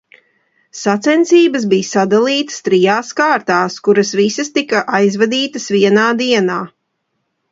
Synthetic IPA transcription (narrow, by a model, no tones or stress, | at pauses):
sat̪sɛnt̪siːbəsbiːjsad̪alˠiːt̪ə̥st̪ɾijaːskaːɾt̪aːskuɾɐsvisɐst̪ikɐʔajzvad̪iːt̪ɐsviɛnaːd̪iɛnaː